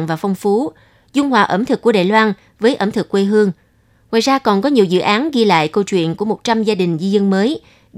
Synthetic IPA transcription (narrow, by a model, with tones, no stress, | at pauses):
ŋvaː˨˩fa˧wŋ͡mfu˨˦ | zʊ˧ŋ͡mhwaː˨˩ʔə˧˩mt̪ʰɨ˨˩k̚ːu˧˩əɗaː˧˨jlwaː˧n | vəː˨˦jʔə˧˩mt̪ʰɨ˨˩kːwe˧ɦɨ˧əŋ | ŋwa̰ː˧˨jzaː˧kɔ˨˩nkɔ˨˦ɲi˨˩əwzɨ̰˧˨ʔaː˨˦nɣi˧la̰ː˧˨jkə˧wt͡ɕwḭ˧˨ənku˧˩əmo˨˩t̚t͡ɕa˧mzaː˧ɗï˨˩ŋ̟zi˧zə˧nməː˨˦j